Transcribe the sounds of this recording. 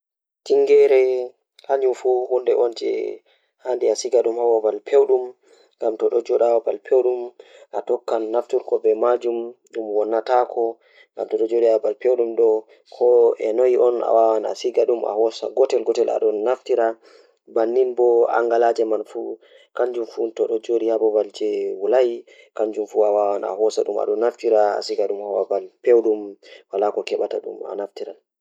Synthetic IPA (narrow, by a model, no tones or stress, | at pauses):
tiŋɡɛɾɛ | haɲumfuhundɛʔɔnd͡ʒɛ̰ | handiasiɡaɗumhawabalpʰewɗum | ŋɡamtɔɗɔd͡ʒɔɗawabalpʰewɗumʔatɔkːanːaftiɾkɔbɛmad͡ʒumɗumwɔnːatakʰɔ | ŋɡamtɔɗɔd͡ʒoɗiabalpewɗumɗɔ | kʰɔɛnojiʔɔna̰wawana̰siɡaɗuma̰hɔsa̰ɡɔtɛlɡɔtɛlʔa̰ɗɔnaftiɾa | banːinbɔa̰ŋɡalad͡ʒɛmanfu | kaɲd͡ʒumfutɔɗɔd͡ʒoɗihabɔbald͡ʒɛwulaj | kaɲd͡ʒumfuawawana̰ɦɔsaɗuma̰ɗɔnːaftiɾaa̰siɡaɗumhawabalpewɗumwalakɔkɛɓataɗṵma̰naftiɾal